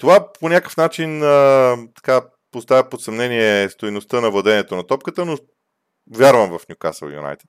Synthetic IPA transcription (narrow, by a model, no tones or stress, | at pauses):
t̪ovaponʲakəfnat͡ʃinət̪ɐ̥ka | post̪avʲəpot̪sɐmnɛniɛst̪ojnost̪ɤnɐvlˠɐd̪ɛniɛt̪onɐt̪ɔp̚kət̪əno | vʲjaɾvəmvɐfnʲjuka̰sə̰lˠjṵna̰jt̪ɛ̥t̪